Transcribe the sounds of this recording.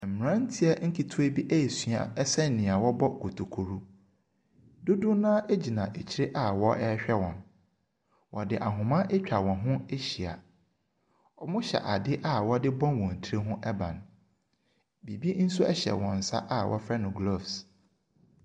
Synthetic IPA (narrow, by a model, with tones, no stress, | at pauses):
m̩˨mɪ˨ɾã˦n̩˦tʰi˦ɛ˦ŋ̩˦kʰi˨tʰu˦e˦bi˦ʔæ˦e˨su˨a̰˨ɛ˦sɛ˦n˨nːɪ̃˨a˨wɔ˦bɔ˦ko˨tʰo˨kʰo˨ɾu˦ | dʊ˦dʊ̃˦nãː˦ʔe˦d͡ʑi˨nã˨ʔe˨t͡ɕʰi˦ɾe˦ʔa˦wɔ˦ʔɛ˦ɕᶣɛ˦wɔ̃˨n | wɔ˨dɪ˨ʔa˨ɦʊ̃˨mã˦ʔe˦t͡ɕᶣa˨wɔ̃˨nɦʊ̃˦e˦ɕi˨a̰˨ | ɔ˨mʊ̃˦ɕɛ̰˨ʔa˨dɪ˦ʔa˦wɔ˦dɪ˦bɔ̃˦nwɔ̃˨n̩˨tʰi˨˦e˦ɦʊ̃˦ʔɛ˦bã̰˨n | bi˨bi˦n̩˦sʊ˦ɛ̰˦ɕɛ̰˨wɔ̃˨n̩˨sa̰˦ʔa˦wʔɔ̰˦fɾɛ˦nʊ̃˨ɡlo˦˨fs